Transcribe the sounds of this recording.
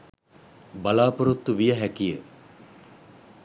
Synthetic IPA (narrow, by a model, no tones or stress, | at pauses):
balaːpoɾut̪ːuʋijəɦækijə